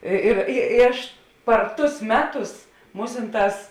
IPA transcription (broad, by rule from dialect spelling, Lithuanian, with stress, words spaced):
ˈɪ ɪr ɪ ɪ ˈɐʃ pɐr ˈtʊs ˈmʲæːˌtʊs ˈmuːsʲɪnˌtɑːs